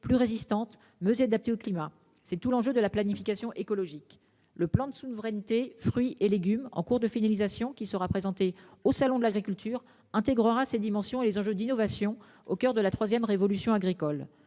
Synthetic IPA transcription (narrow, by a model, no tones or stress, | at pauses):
plyʁezist̪ɑ̃t̪ | møzead̪ap̚t̪eoklima | sɛt̪ulɑ̃ʒød̪əlaplanifikasjɔ̃ʔekɔlɔʒik | ləplɑ̃d̪əsuvʁɛnt̪efχɥiʔeleɡʲymɑ̰̃kuʁd̪əfinalizasjɔ̃kʲisəʁapχezɑ̃t̪eosalɔ̃d̪əlaɡʁikʲylt̪ʰyːʁ | ɛ̃t̪eɡʁəʁased̪imɑ̃sjɔ̃elezɑ̃ʒød̪inɔvasjɔ̃ | okʲœʁd̪əlat̪χwazjɛmʁevɔlysjɔ̃aɡʁikɔl